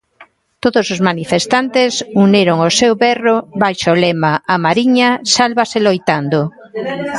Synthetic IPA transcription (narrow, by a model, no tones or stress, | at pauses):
t̪oðosozmanifest̪ant̪esuneɾoŋosewβɛroβajʃolɛmaʔamaɾiɲasalβaselojt̪and̪o